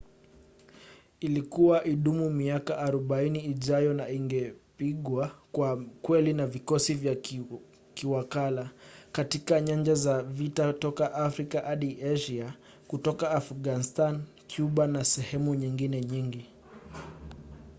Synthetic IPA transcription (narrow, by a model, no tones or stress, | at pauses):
ilikuwaʔiɗumumiakaʔːɾuɓainiːʄajɔnaiŋɡɛpiɠwakwakwɛlinavikɔsivja | kiwakalakatikaɲaɲd͡ʒazavitatɔkaʔafɾikaʔaɗiaʒia | kutɔkaːfuɠanistan | kʰjuɓanasɛhɛmuɲiŋɡinɛɲiŋɡi